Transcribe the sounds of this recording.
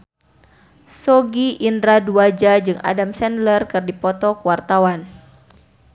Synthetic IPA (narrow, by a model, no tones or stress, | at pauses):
sɔɡiʔindɾaduad͡ʒad͡ʒɨŋa̰damsɛndlərkɨrdipɔt̪ɔkwart̪awan